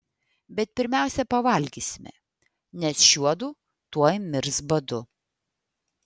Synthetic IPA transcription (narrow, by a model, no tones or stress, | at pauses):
bʲɛt̪̚pʲɪɾʲmʲæˑʊsʲɛpɐʋɐlʲɡʲiːsʲɪmʲɛ̰ | nʲɛsʃʲuɔd̪uː | t̪uɔjmʲɪɾsbɐd̪ʊ